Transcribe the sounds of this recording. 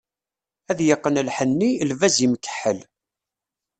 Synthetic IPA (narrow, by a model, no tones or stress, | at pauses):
æðjəqːənlħənːilvæzimkə̥ħəl